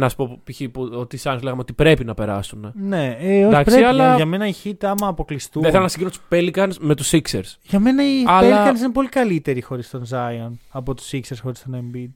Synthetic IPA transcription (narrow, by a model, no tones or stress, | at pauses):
nɐsu̥popçipuot̪isɐnzleɣɐmeo̞t̪ipɾe̞pinɐpe̞ɾɐ̰sunene̞eoçɐkpɾeɐlɐʝɐme̞nɐiçit̪ɐmɐːpo̞klist̪uðiθelɐnɐsiɲɟinot̪u̥spelikɐnsme̞t̪usiksḛɾsʝɐme̞nɐiɐplekɐns̬inep̬o̞likɐlit̪e̞ɾixo̞ɾist̪o̞nzɐionɐpo̞t̪u̥sikseɾsxo̞ɾist̪onembid̪